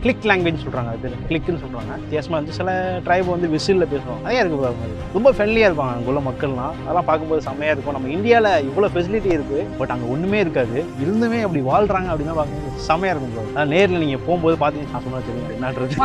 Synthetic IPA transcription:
klɪkːlaːŋɡʋed͡ʒnsɔlrɾaːŋɡɐðpeɾklɪkːɐnːɯsɔlːɾaːŋɡɐk̪eːsɐmaːʋɐnd̪ɯsɪlɐʈɾɐɪbɯʋɐnd̪ɯʋɪsillɐpeːsɯʋõːɐɐðɐjaːɪɾɯkːɯaɯmeːð | ɾɔmbɐfɾɛnlɪjaːɪɾɯp̬ːaːŋɡɐɐŋɡɐʊlːɐmɐkːɐɭnãːɐðɐlãːpaːɾkɯmboːðɯsɐmɐjaːɪɾɯkːʊ̃nɐmːɐɪɳɖɪjaːlɐɪʋːɐɭoːfɛs̬ɪlɪʈːiɪɾɯkːɯbɐʈːɐŋɡɐɔɳːɯmeːɪɾɯkːaːðɯɪɾɯnd̪ɯmeːɐpːɐɽiʋaːlɖɾaːŋɡɐpɐɽɪnːãpaːɾkɯmboːðɯːsɐmɐjaːɪɾɯkːɯmpoːneːɾɪlɐniːŋɡɐpoːmpoːðɯpaːɾt̪iːŋɡɐnãːsɔnːaʋt͡ʃːɐɾ | ɛnːaːʈɾɐɯ

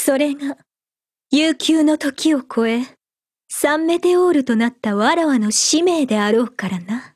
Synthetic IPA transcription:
so̞ɾe̞ŋa | jɨːkʲɨːno̞t̪o̞kʲio̞kʰo̞e̞ | sãmːe̞t̪e̞o̞ːɾɯ̟t̪o̞nat̪ːaβaɾaβano̞ɕime̞ːd̪e̞aɾo̞ːkaɾana

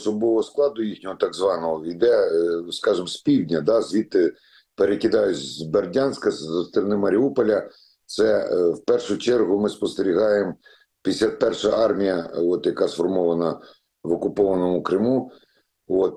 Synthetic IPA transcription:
sɔbɔʋɔɦɔsklˠɑd̪ʊjixnʲɔɦɔt̪ɑɡzʋɑnɔɦɔid̪ɛskɑʒɪmspʲiwdʲnʲɐd̪ɑzʋʲit̪ːɪ | peɾekʲɪd̪ɑjʊt͡sʲzzberdʲanʲsʲkɐzzɐst̪ɾɐnɪmɐɾʲiupɔlʲɐ | t̪sɛwpɛrʃʊt͡ʃɛrɦʊmɪspɔst̪eɾʲiɦɑjem | pʲisʲlʲapɛrʃɐʔɑrmʲijɐɔt̪jɐkɑsfɔrmɔʋɐnɐ | ʋɔkʊpɔʋɐnɔmʊkɾɪmu | oɔt̪̚

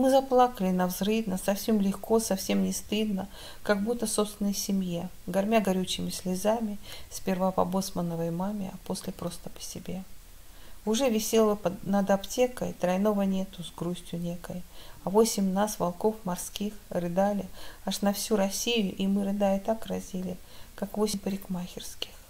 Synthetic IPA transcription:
mɨzɐplˠakəlʲɪnɐvzrɨvnəsɐfsʲe̞mlʲɪxko̞sɐfsʲe̞mnʲɪst̪ɨd̪nə | kɐɡbut̪ːəso̞pst̪ʲɪnːəjsʲɪmʲjeɡɐrmʲaɡɐɾʲut͡ɕːɪmʲɪsʲlʲɪzamʲɪsʲpʲɪrvapɐ̰bo̞smənəvəjmamʲɪɐ̰po̞sʲlʲɪpɾo̞st̪ə̥pə̥sʲɪbʲe̞ | ʊʐɛvʲɪsʲe̞lˠəpənəd̪ɐptʲe̞kəjt̪ɾɐjno̞vənʲet̪ʊzɡɾusʲtʲjʊnʲekəjɐvo̞sʲɪmʲnasvɐlˠko̞fmɐrskʲixrɨd̪alʲɪaʂnɐfsʲuɾɐsʲijʊʔimɨɾɨd̪aɪt̪akrɐzʲilʲɪ | kakvo̞sʲɪmpəɾʲɪkmaxʲɪrskʲɪ̥x

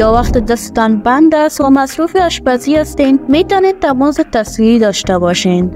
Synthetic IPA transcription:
jɑwaxt̪ed̪əsɪ̥t̪anband̪asomasɾufiaʃbaziast̪enmet̪ɔnet̪amozet̪aswiɾid̪ɑʃt̪abɑʃen

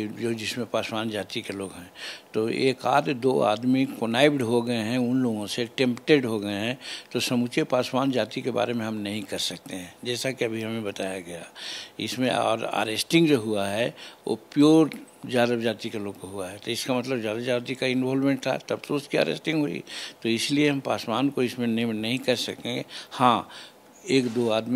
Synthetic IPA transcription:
d͡ʒoːd͡ʒɪsmẽpaːspaːnd͡ʒaːt̪ikeloːɡɦɛ̃ːt̪oḛːkaːd̪d̪oːa̰ːd̪mikonaːɪbɖɦoɡɐeɦɛ̃ʊnloːɡõseʈẽːmpʈeɖɦoɡɐeɦɛ̃t̪osɐmut͡ʃepaːswaːnd͡ʒaːt̪ikeba̰ːɾemẽɦɐmnɐɦĩkɐɾsɐk̚t̪eɦɛ̃ːd͡ʒɛːsakiɐbʱiɦɐmẽbɐt̪aːjaɡɐja̰ɪ̰smḛ̃ɔ̰ːɾa̰ːɾeːsʈɪ̃ŋɡd͡ʒoːɦuaɦɛo̰pijoːɾ | d͡ʒjaːd̪abd͡ʒaːt̪ikaloːɡkoɦuaɦɛt̪oɪskamɐt̪ləbzjaːd̪ad͡ʒaːt̪ikaɪnʋɔːlmẽːɳʈ̚t̪ʰa̰t̪ɐb̚t̪oʊskia̰ːɾḛːsʈɪ̃ŋɡɦoḭt̪oɪslieɦɐ̃mpaːswaːnkoɪsmẽnnɐɦĩkɐɾsɐkẽɡehãː | eːkd̪oːaːd̪mi

